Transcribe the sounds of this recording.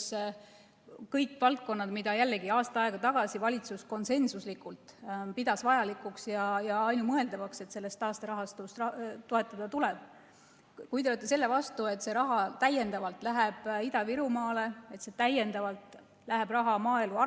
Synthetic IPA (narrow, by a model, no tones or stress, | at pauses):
s | kɤjkːˑvɑlt̪̚ko̞nːɑd̪̥mid̪̥ɑjælːe̞ɡiɑːst̪ɑɑe̞ɡ̥ɑt̪ɑɡ̥ɑsivɑlʲit̪susko̞nse̞nsuslikult̪pid̪̥ɑsvɑjɑlikˑuksjɑjɑɑjnumɤe̞ld̪̥ɑvɑkse̞t̪se̞lːe̞st̪ɑːst̪ɑɾɑɦɑst̪ust̪rɑt̪oe̞t̪ːˑɑd̪̥ɑt̪ulɛb̥̚ | kujt̪eot̪ːˑese̞lːe̞vɑst̪ue̞t̪ˑse̞ɾɑɦɑt̪æje̞nd̪ɑvɑlt̪ˑlæɦeb̥id̪ɑviɾumɑːlee̞t̪se̞t̪æje̞nd̪̥ɑvɑlt̪ˑ | læɦe̞b̥rɑɦɑmɑːeluɑ